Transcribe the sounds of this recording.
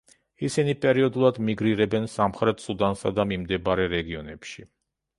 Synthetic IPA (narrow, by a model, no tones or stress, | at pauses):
isinipʼɛɾiɔd̪ulˠad̪miɡɾiɾɛbɛnsamχɾɛt̪ʰsud̪ansad̪amimd̪ɛbaɾɛɾɛɡiɔnɛpʃi